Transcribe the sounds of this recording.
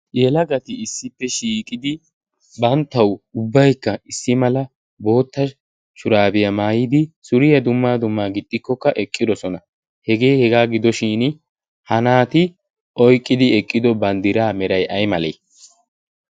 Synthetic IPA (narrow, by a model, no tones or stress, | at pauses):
jɛlɐɡɐt̪ɪɪsːɪpːɛʃiːkʼɪd̪ɪ | bɐnt̪ːɐwʊbːɐjkːɐɪsːɪmɐlɐ | bo̞ːt̪ːɐ | ʃʊɾaːbɪjɐmaːjɪd̪ɪsʊɾɪjɐd̪ʊmːaːd̪ʊmːaːɡɪd̪ʼːɪkːɔkːɐʔɛkʼːɪd̪ɔsɔnɐ | hɛɡe̞ːhɛɡaːɡɪd̪ɔʃiːn | hɐnaːt̪ɪ | ʔɔjkʼːɪd̪ɪɛkʼːɪd̪ɔbɐnd̪ɪɾaːmɛɾɐjʔɐjmɐlḛj